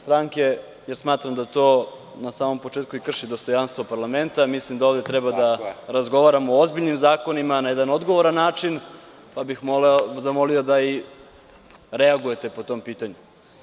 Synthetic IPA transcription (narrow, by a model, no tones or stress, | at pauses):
st̪ɾaŋke | jeɾsmaːt̪ɾamd̪at̪o̞ | nasaːmo̞mpo̞t͡ʃeːt̪̚kuikr̩ʃid̪ost̪o̞janst̪ʋo̞paɾlame̞nt̪amislimd̪aovd̪e̞t̪ɾɛbad̪aɾazɡo̞ʋaːɾamooozbiʎnimzaːko̞nimanajed̪ano̞d̪ɡo̞ʋoɾanːaːt͡ʂin | pabixmozamo̞lio̞d̪ai | ɾeaɡuje̞t̪e̞po̞t̪o̞mpiːt̪aɲu